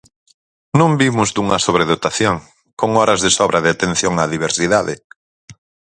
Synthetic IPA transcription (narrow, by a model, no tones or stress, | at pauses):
nõmbimʊzd̪uŋɐsoβɾeðot̪aθjoŋ | koŋɔɾɐzðɪsɔβɾɐðɪat̪en̟θjoŋaðiβeɾsiðaðɪ